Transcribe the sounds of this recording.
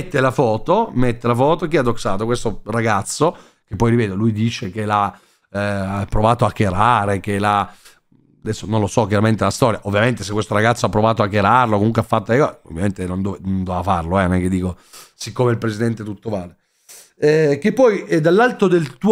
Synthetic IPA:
t̪ːelafɔːt̪omet̪ːelafɔːt̪ok̟ead̪oksaːt̪okwest̪oɾaɡat̪sːo | kepːɔjɾivɛːd̪olujd̪iːt͡ʃekela | pːɾovaːt̪oakːeɾaːɾek̟ela | ad̪ɛsːononlosɔk̬jaɾament̪elast̪ɔːɾjaʔovːjament̪es̬ekːwest̪oɾaɡat̪sːoapːɾovaːt̪̬oakːeɾarlokomuŋkweafːat̪ːod̪elekɔzeo̰vːjament̪enond̪onond̪oafarloɛnnɛk̟ːed̪iːko | sikːomeilpɾesid̪ɛnt̪et̪ut̪ːovaːle | ɛk̟epːɔjɛd̪alːalt̪od̪elt̪uː

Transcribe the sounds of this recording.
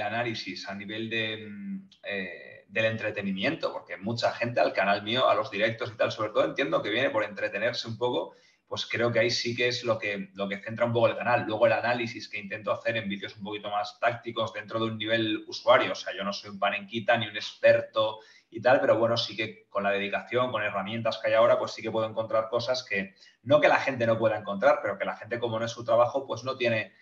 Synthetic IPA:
lanalisisaniβe̞ld̪e̞ | e | d̪e̞le̞nt̪ɾe̞t̪e̞nĩmjẽ̞nt̪o̞po̞ɾkemut͡ʃaxe̞nt̪ealkanalmioʔa̰lo̞zðiɾe̞k̚t̪o̞sit̪also̞β̞ɾe̞t̪oðent̪je̞nd̪oke̞βje̞ne̞po̞ɾe̞nt̪ɾe̞t̪e̞ne̞ɾseumpo̞ko̞ | pwe̞skɾe̞o̞keaisikeezlo̞ke̞lo̞ke̞θe̞nt̪ɾaump̬o̞koelkanalːwe̞ɣ̞o̞e̞lanalisiske̞int̪e̞nt̪oaθe̞ɾe̞mbiðjo̞sumpo̞kit̪o̞mast̪ak̚t̪iko̞zðe̞nt̪ɾo̞ð̞unːiβ̞e̞lusuaɾjoːse̞aʝo̞no̞so̞jumpaneŋkit̪aniune̞spe̞ɾt̪o̞ | it̪alpe̞ɾo̞βwe̞no̞sike̞ko̞nlað̞e̞ðikaθjo̞ŋkone̞ramjẽ̞nt̪askajao̞ɾapwe̞sːike̞pweðoe̞ŋko̞nt̪ɾaɾko̞saske̞ | no̞ke̞laxe̞nt̪e̞no̞pwe̞ðaeŋko̞nt̪ɾaɾpe̞ɾo̞ke̞laxe̞nt̪e̞ko̞mo̞noe̞sut̪ɾaβaxo̞pwe̞zno̞t̪je̞ne̞

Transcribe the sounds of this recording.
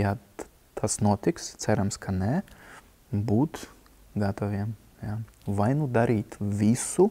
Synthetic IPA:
ja | t̪ʰasnuɔt̪ikst̪sæɾamskʰanɛ | buːt̪ | ɡat̪ɔʋʲiɛm | javajnud̪aɾiːt̪vʲisu

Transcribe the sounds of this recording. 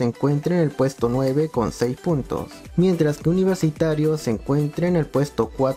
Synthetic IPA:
eŋkwe̞nt̪ɾenelpwe̞st̪o̞nwe̞βe̞ko̞̰nsejspunt̪o̰s | mje̞nt̪ɾaskeuniβ̞e̞ɾsit̪aɾjo̞seːŋkwe̞nt̪ɾeːne̞lpwe̞st̪o̞kwa

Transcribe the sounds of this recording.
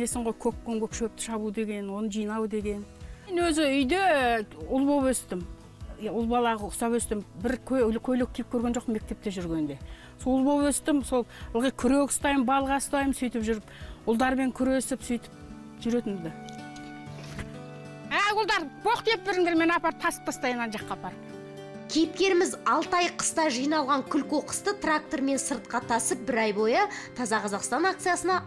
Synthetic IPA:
e̞sɪɴʁo̞jkʲʰøkːoŋkʲʰøpʃøp̚t̪ɪ̥ʃɑβud̪e̞ɡʲe̞nwo̞nəʒijnɑwd̪e̞ɡʲe̞nnwɵzɪʏjd̪e̞ʊlˠbo̞pɵst̪ɪm | ʊlˠbɑlˠɑʁəʊsɑpɵst̪ɪmbɪɾkʲʰkʲʰɵlɪk̚ʲʰːijp̚kʲʰɵɾɡe̞nʒo̞qme̞k̚t̪e̞p̚t̪e̞ʒʏɾɡʲe̞nd̪e̞ | sollˠbo̞pɵst̪ɪmso̞lˠəlˠʁijkʲʰʏɾøkʲɪ̥st̪ɑjmbɑlˠʁɑst̪ɑjməmsɵjt̪ɪpʒʏɾɪpʊlˠd̪ɑɾme̞ŋkʲʰʏɾesɪpsʏjt̪ɪ̥p̚ | ʒʏɾe̞t̪ɪnd̪ɪ | æɡʊlˠd̪ɑɾboqt̪ep̪̚bɪɾɪŋd̪eɾme̞nɑpɑɾt̪ʰɑsə̥p̚t̪ɑst̪ɑjənɑnʒɑqːɑpʰɑɾ | kʲʰejɪp̚kʲe̞ɾɪmɪzɑlˠt̪ɑjqʰə̥st̪ɑʒijnɑlˠʁɑŋkʲʰʏlkoqə̥st̪ət̪rak̚t̪o̞ɾme̞nsəɾt̪̚qɑt̪ʰɑsəp̚bɪɾɑjbo̞jət̪ʰɑzɑqʰɑzɑqst̪ɑnak̚t̪sɨjasənɑ

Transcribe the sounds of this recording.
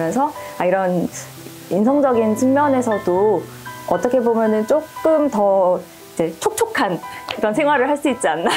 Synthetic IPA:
mjʌnsʰʌaiɾʌn | insʰʌŋd͡ʑʌɡint͡ɕʰiŋmjʌne̞sʰʌdo | ʌt͈ʌkʰe̞bomjʌnɯnt͡ɕ͈ok͈ɯmtʌ | id͡ʑe̞t͡ɕʰok̚t͡ɕʰokʰankɯɾʌnsʰe̞ŋɦwaɾɯɭɦaɭs͈uit̚t͡ɕ͈ianːa

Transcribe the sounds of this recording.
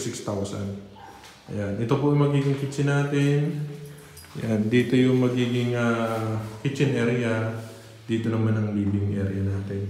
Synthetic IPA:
sɪkst̪awsɐ̰n | ʔɐjanʔɪt̪o̞poʔɐŋmɐɡiːɡɪŋkɪt͡ʃɪnaːt̪ɪn | ʔɐjand̪iːt̪o̞jʊŋmɐɡiːɡɪŋakɪt͡ʃːɪnʔɛɾɪɐ | d̪iːt̪o̞nɐmanɐŋliːbɪnɪŋʔɛ̰ɾɪjɐnaːt̪ɪn

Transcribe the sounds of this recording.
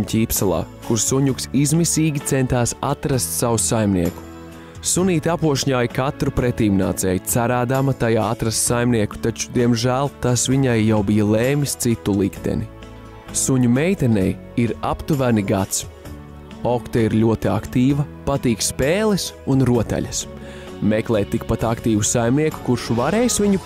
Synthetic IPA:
cʲiːpsalˠa̰ːkuɾsuɲuksizmisiːɡʲit̪sɛnt̪aːsat̪ɾast̪savusajmniɛku̥ | suniːt̪ʲapuɔʃɲaːjkat̪ɾupɾɛt̪iːmna̰ːt̪sɛ̰ːjt̪saɾaːd̪amɐt̪ajaːat̪ɾast̪sajmniɛku̥t̪at͡ʃu̥d̪iɛmʒæːlˠt̪asviɲajːawbijalˠeːmist̪sit̪ulˠikt̪ḛni | suɲumɛjt̪ɛnɛj | iɾa̰pt̪uvæniɡat̪s | ɔkt̪aiɾlʲuɔt̪iakt̪iːvɐpat̪iːkspeːlˠɛsunɾuɔt̪a̰ʎʲɐs | mɛklˠɛːt̪t̪ːikpat̪akt̪iːvusajmniɛku̥kuɾʃuvaɾeːjsviɲu

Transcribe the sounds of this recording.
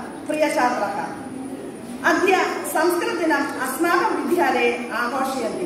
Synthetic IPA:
pɾijɐʃaːd̪ɐɾɐk̪ʰɐ̰ | ɐd̪ʱjɐsɐmskɾɨt̪inɐɐsmaːbɐmʋid̪ʱjaːlejaːbʱoːʂɐjɐni

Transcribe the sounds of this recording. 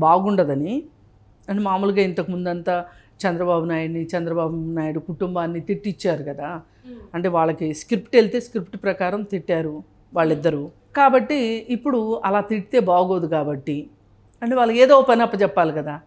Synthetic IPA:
baːɡuɳɖɐd̪ɐni | ɐɳʈemaːmuːluɡaːint̪ɐkumund̪ɐnt̪aː | t͡ʃɛnd̪ɾɐbaːbunaːjɐɽnit͡ʃɛnd̪ɾɐbaːbunaːjiɽukuʈumbaːnːit̪iʈːit͡ʃːaːɾukɐd̪aː | ɐɳʈe̞ːʋaːɭːɐkiskɾipʈelt̪e̞ːskɾipʈpɾɐkaːɾɐmt̪iʈːaːɾu | ʋaːɭːid̪ːɐɾu | kaːbɐʈːiːpːuɽuɐlaːt̪iʈit̪e̞ːbaːɡo̞ːd̪ukaːbɐʈːi | ɐɳʈe̞ːʋaːɭːɐkeːd̪oːpɐnɐpːɐt͡ʃɛpːaːlikɐd̪aː

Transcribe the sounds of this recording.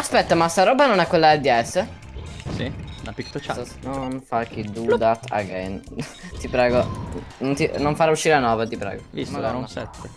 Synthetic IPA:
aspɛt̪ːamast̪aɾɔːbanonɛkwelːaɛd̪iɛsːə | sinapikt̪ot͡ʃanonfak̟ːid̪ud̪at̪a̰ɡɛ̰nt̪ipɾɛːɡonont̪inoɱfaɾauʃːiɾeanɔːvat̪ipɾɛ̰ːɡovisosɛt̪ːe

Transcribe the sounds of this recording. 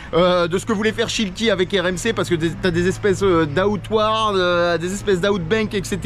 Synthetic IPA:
ød̪əsə̥kəvulɛfɛʁʃilt̪ʲiavɛkɛʁɛmsepaʁsə̥kəet̪yad̪ezɛspɛsød̪aut̪waʁəd̪ezɛspɛsd̪aut̪̚bɛ̃kɛkset̪

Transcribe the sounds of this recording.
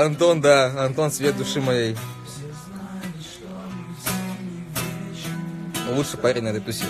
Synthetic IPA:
ɐnt̪ond̪aɐnt̪onsvʲet̪̚d̪ʊʂɨmɐjej | lˠutʂɨpaɾʲenʲad̪ɨt̪usʲ

